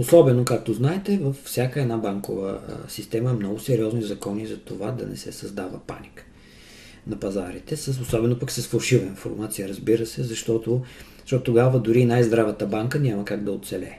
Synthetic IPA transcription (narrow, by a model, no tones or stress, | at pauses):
osɔbɛnokak̚t̪oznaɛt̪ɛvəfːsʲjakəɛd̪nabaŋkovə̰sist̪ɛməɛmnɔɡʊsɛɾiɔznizɐkɔnizɐt̪ovad̪ɐ̰nɛ̰sɛ̰sɐzd̪avə̰pa̰nik | nɐpɐzaɾit̪ɛsəsosɔbɛnopɐksɐsfɐlˠʃivəinfo̰ɾmat̪sijəɾəzbiɾəsɛzɐʃt̪ɔt̪ozəʃtɔt̪ʊt̪oɡavəd̪ʊɾiːnajzd̪ɾavət̪əbaŋkənʲaməkaɡd̪ɐot̪t̪sɛlɛ̰